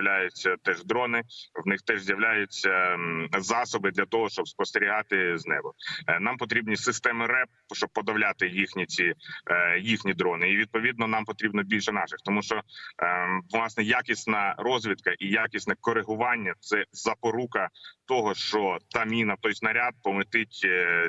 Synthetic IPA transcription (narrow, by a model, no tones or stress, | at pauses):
lʲajʊt͡sʲːɐt̪ɛʒd̪ɾɔnɪwnɪxt̪ɛʒzʲjɐʋlʲajʊt͡sʲɐzɑsɔbɪd̪lʲɐt̪ɔɦɔʃt͡ʃɔbspɔst̪eɾʲiɦɑt̪ɪznɛ̰bɔnɑmpɔt̪ɾʲibnʲisɪst̪ɛmɪɾɛp̚ | ʃt͡ʃɔb̚pːɔd̪ɐʋlʲat̪ɪjixnʲit͡sʲi | jixnʲid̪ɾɔnɪiʋʲid̪̚pɔʋʲid̪nɔnɑmpɔt̪ɾʲibnɔbʲilʲʃɛnɑʃɪxt̪ɔmuʃt͡ʃɔ | ʋlˠɑsnɛjakʲisʲnɐɾɔzʲʋʲid̪kɐʔijakʲisʲnɛkɔɾɪɦʊʋɑnʲːɐt̪sɛzɐpɔɾukɐt̪ɔɦɔʃt͡ʃɔt̪ɑmʲinɐt̪ɔjznɐɾʲad̪̚pɔmɪt̪ɪtʲ